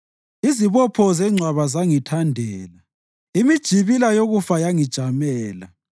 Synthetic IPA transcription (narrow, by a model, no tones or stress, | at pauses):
iziβɔpʰɔzɛŋ͡ǀʱwaβazaŋitʰandʱɛːla | imid̥ʒ̥ʱiβilajoɣufajaŋid̥ʒ̥ʱamɛːla̰